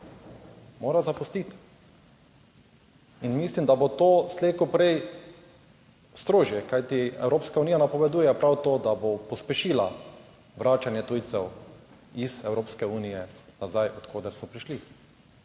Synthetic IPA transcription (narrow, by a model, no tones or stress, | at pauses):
moːɾazapust̪it̪ | inmislimd̪abot̪oːst̪leːkupɾɛj | st̪ɾoːʒjɛkajt̪iɛ̰wɾoːpskaunijanapɔʋɛd̪uːjɛpɾawt̪oːd̪abopɔspɛʃiːla | ʋɾaːt͡ʃanjɛt̪uːjt̪sɛw | izɛwɾoːpskɛuːnijɛnazajɔt̪kʰoːd̪ɛɾsɔpɾiʃli